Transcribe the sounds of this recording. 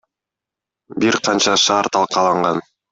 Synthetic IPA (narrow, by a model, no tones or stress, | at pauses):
biɾqʰɑnt͡ʃɑʃɑːɾt̪ʰɑlˠqɑlˠɑɴʁɑn